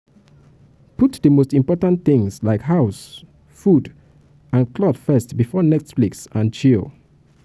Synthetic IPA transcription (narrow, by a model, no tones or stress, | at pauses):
putdəmostĩmpɔtãnθĩŋslaɪkɦaʊs | fud | ãnkʰlɔdfɛstbifɔnɛtfliksãnt͡ʃil